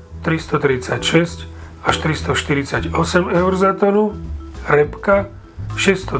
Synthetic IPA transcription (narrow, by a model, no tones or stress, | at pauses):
t̪ɾist̪ɔt̪ɾit͡sacʃɛsc | aʃt̪ɾist̪ɔʃt̪iɾit͡saɟɔsɛmɛʊɾzat̪ɔnuɾɛpka | ʃɛst̪ɔ